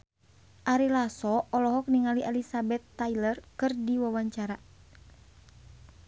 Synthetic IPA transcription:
ʔaɾilasɔɔlɔɦɔk̚niŋaliʔɛlisabɛt̪ːailərkɨrdiwawaɲt͡ʃaɾa

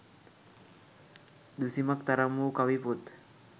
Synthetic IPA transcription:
d̪usimak̚t̪aɾamukawiput̪

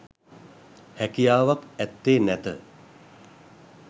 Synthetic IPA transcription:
hækijaːʋakɛt̪ːeːnɛt̪ə̰

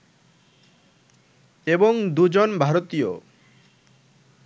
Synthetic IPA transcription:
eboŋd̪ud͡ʑonbʱaɾot̪ijo

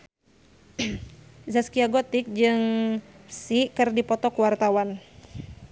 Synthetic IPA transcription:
zaskiaɡot̪ɪk̚d͡ʒɨŋ | sikɨrdipɔt̪ɔkuwart̪awan

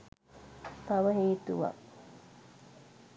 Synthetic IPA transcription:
t̪ɐʋɐɦiːt̪uʋɐ̰ʔ

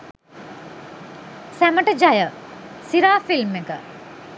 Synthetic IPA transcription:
sæməʈəd͡ʒajəsiɾaːfilmekə

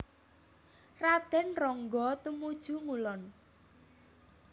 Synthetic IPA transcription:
rad̪̥ɛ̤nrɔŋɡɔt̪umud̥ʒ̥uŋulɔn

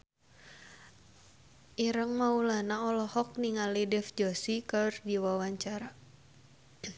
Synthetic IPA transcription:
ʔiɾəŋmaulanaɔlɔhɔk̚niŋalidɛfd͡ʒɔsikərdiwawaɲt͡ʃaɾa

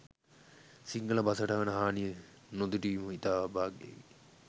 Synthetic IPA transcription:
siŋɡəlɐbasəʈaʋɐnəɦaːnijə | nod̪uʈiːmuit̪aːʋabaːɡḛʋi

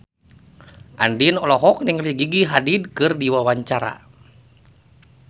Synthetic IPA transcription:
ʔandinɔlɔɦɔk̚niŋliɡiɡiɦadid̚kɨrdiwawaɲt͡ʃaɾa̰

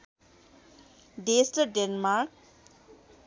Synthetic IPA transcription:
ɖesʈəɖenmaɾk̚

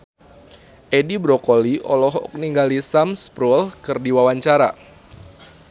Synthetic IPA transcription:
ʔedibɾɔkoliʔɔlɔɦɔ̰k̚niŋɡalisamspɾɔlkɨrdiwawaɲt͡ʃaɾa̰

